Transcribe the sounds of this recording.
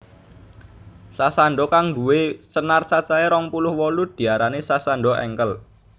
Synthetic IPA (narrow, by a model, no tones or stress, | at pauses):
sasanɖɔkaŋduwesənart͡ʃat͡ʃaeɾɔŋpulʊhwɔlud̪̥i̤aɾanesasanɖɔʔɛ̰ŋkəl